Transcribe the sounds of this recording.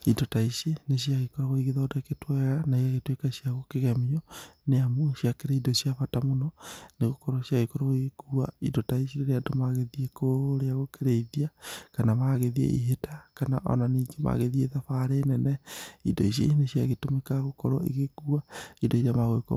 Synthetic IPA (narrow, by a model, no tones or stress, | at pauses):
idotaiʃeneʃijaɣekɔɾɔɣoiɣeðɔːdaketwɛɣanaiaɣetwekaʃiaɣokeɣɛmiɔneamoʃiakeɾaidoʃiafatamonɔneɣokɔɾɔɕjaɣekɔɾɔɣoikuaidotaiʃiɾeɾeadomaɣeðiekoɾeaɣokeɾeiðiakanamaɣeðiḛʔḭɦetakanaʔɔ̰naniːɡema̰ɣeðieðafaɾeːnɛnɛidɔ̰iʃ̬ḛneʃiaɣetomekaɣokɔɾɔ̰ḭɣeɣuaidoiɾamaɣoeko̰